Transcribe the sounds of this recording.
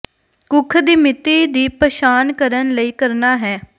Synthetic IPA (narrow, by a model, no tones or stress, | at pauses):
kʊkʰd̪iːmɪt̪ːiːd̪iːpəʃaːnkəɾənləiːkəɾnaːɦɛː